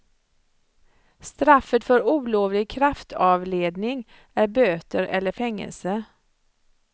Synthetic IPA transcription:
st̪ɾafət̪fœɾuːloːvlɪɡ̚kʰɾaft̪ʰɑːvleːd̪nɪŋ | æɾbøːt̪əɾɛlːəɾfɛŋːə̰lsə

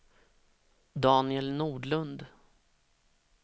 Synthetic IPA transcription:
d̪ɑːnɪɛlnuːɖlɵnd̪

